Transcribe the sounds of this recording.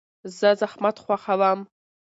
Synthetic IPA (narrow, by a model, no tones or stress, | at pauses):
zazaχmatʰχʷaχalam